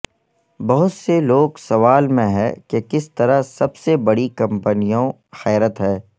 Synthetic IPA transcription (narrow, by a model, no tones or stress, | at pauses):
bɐɦʊt̪seloːɡsɐʋaːlmẽɦɛ̰kekɪst̪ɐɾasɐbsebɐɽikɐ̃mpənijõ | xɛːɾət̪ɦɛ̃ː